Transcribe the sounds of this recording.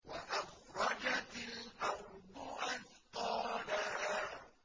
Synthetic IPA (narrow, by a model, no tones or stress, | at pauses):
waʔafɾˤɑd͡ʒat̪lʔawd̪ʊʔanqɑːlaha